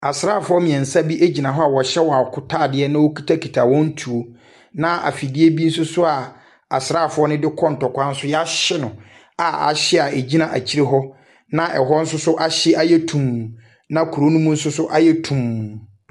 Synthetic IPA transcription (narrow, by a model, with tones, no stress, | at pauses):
a˨sɾaː˦˨fʊ˨˦ɔ˦mĩ˨ɛ̃˨n̩˨sa˦bi˦ʔe˦d͡ʑi˨nã˨ɦɔ˦a˨wɔ˨ɕɛ˦wɔ˨a˨kʰʊ˨tʰaː˦˨dɪ˦ɛ˦nã˦wo˦kʰi̥˦tʰa˦kʰi˨tʰa˨wɔ̃˦n̩˦tʰu˨o˦ | nã˦ʔa̰˨fi˨dɪ˦e˦bi˦n̩˦sʊ˦sʊ˦a˨ | a˨sɾaː˦˨fʊ˨˦ɔ˦nɪ̃˦dɪ˦kʰɔ̃˦n̩˨tɔ˨kʷã˦n̩˦sʊ˦ja˦ɕɪ˦nʊ̃˨ | a˨a̰˨ɕɪ˦a˨e˨d͡ʑi˦nã˨ʔa˨t͡ɕʰi˦ɾe˦ɦɔ˦ | nã˦ʔɛ̰˨ɦɔ˦n̩˦sʊ˦sʊ˦ʔa˨ɕɪ˦ʔa˦jɛ˦tʰũ˨m˨ | nã˦kʰu˨ɾo˦nũ˦mũ˦n̩˦sʊ˦sʊ˦ʔa˦jɛ˦tʰũ˨m˨